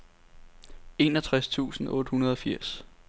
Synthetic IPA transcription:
e̝nɒt͡sʰʁast͡sʰṵːsn̩ɔ̽ːd̥əhunɐð̞ˠɒ̽fiɐ̰s

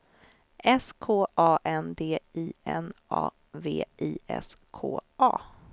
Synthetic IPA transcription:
ʔɛskʰoːʔɑːʔɛnd̪eːiːɛnʔɑ̰ː | vḛːʔiːʔɛ̰skʰoːʔɑː

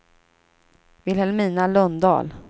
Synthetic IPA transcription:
vɪlhɛlmiːnalœnd̪ɑ̰ːl

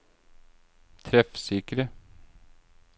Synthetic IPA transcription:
t̪ʰɾɛfsɪkɾə

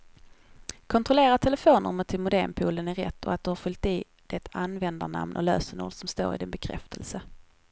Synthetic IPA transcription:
kʰɔnt̪ɾɔleːɾat̪ʰɛləfoːnə̰ɾmət̪ʰɪlmʊd̪ḛːmpʰuːlənæɾɛ̰t̪ːɔ̰at̪̚d̪ɵhaɾfɵlt̪iː | d̪̥ɛt̪ʰanvɛnd̪aɳa̰mnʔɔ̰løːsənṵːlsɔmst̪o̰ːɾɪ̰d̪ɪnbɛkʰɾɛ̰ft̪ʰəlsə

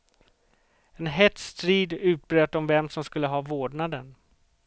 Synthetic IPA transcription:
ɛnɦɛt̪st̪ɾiːd̪ʉ̟ːt̪̚bɾøːt̪ɔmvɛmsɔmskɵlːəɦɑːvoːɖɳad̪ən

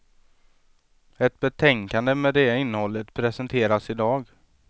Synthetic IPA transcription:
ɛt̪̚bɛt̪ʰɛŋkand̪əmɛd̪ɛɪnːəhɔlːət̪pʰɾɛsɛnt̪ʰeːɾasɪd̪ɑːɡ

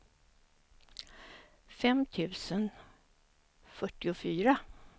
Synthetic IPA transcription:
fɛmt̪ʰʉ̟ːsən | fœʈːɪʊfyːɾa

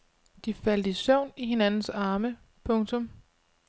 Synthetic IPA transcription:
d̥ifæld̥isɔʊ̰niɦe̝nænn̩sɑ̈ːmə | pʰɔ̽ŋt͡sʰɔ̽m

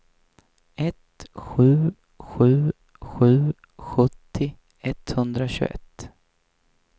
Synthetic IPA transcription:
ɛt̪ɧʉ̟ː | ɧʉ̟ː | ɧʉ̟ː | ɧɵt̪ʰːɪ | ɛt̪hɵnd̪ɾaɕɵ̰ɛ̰t̪ː

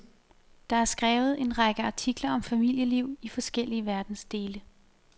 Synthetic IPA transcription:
d̥ɑ̈æɐsɡ̥ʁɛːʊð̩ˠe̝nʁɑ̈ɡ̥əɑ̈t͡sʰiɡ̥lɐɒ̽mfæmil̰jəliʊ̰ifɒ̽sɡ̥el̰iəʋæɐd̥n̩sd̥e̝ːlə

